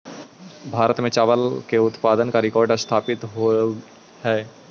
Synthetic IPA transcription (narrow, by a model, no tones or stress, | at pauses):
bʱaːɾət̪mẽt͡ʃaːʋəlkeʊt̪paːd̪ənkaɾɪkɔːɾɖst̪ʰaːpɪt̪ɦo | hɛː